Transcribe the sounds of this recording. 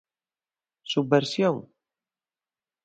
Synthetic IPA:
subbeɾsjoŋ

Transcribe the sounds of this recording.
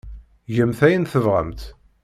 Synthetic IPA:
ʝəmθæjənθəvʁə̰mt̪

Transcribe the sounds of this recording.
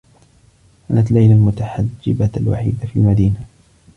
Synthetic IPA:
ʔanat̪lajlalmʊt̪aħad͡ʒːɪbaalwa̰ħḭːd̪afiːlmad̪iːna

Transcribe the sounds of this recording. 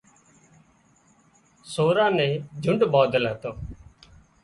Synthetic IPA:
soːɾãːnẽːd͡ʒʱʊɳɖbaːd̪əlɦət̪oː

